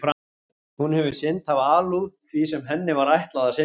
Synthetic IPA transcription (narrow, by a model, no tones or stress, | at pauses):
fɾa | hunhɛvʏ̥sɪnt̪havaːluθvisɛmɦɛnːɪvaɾajht̪laðasɪ